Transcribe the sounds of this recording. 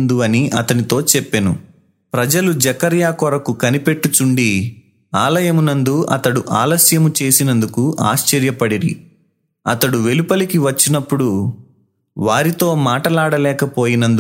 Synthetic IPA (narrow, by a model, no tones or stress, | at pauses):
nd̪uɐniɐt̪ɐnit̪o̞ːt͡ʃɛpːenu | pɾɐd͡ʒɐlud͡ʒɐkɐɾjaːkɔɾɐkukɐnipe̞ʈːut͡ʃuɳɖi | aːlɐjɐmunɐnd̪uɐ̰t̪ɐɽuʔaːlɐsjɐmut͡ʃe̞ːsinɐnd̪ukuʔa̰ːst͡ʃɛɾjɐpɐɽiɾḭ | ɐt̪ɐɽuʋe̞lupɐlikiʋɐt͡ʃːinɐpːuɽu | ʋaːɾit̪o̞ːmaːʈɐlaːɽɐlɛːkɐpo̞ːjinɐnd̪u